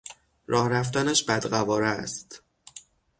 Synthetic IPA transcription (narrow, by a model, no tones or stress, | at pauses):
ɾʔɒːhɾæft̪ænæʃbæd̪ɢævɒːɾæst̪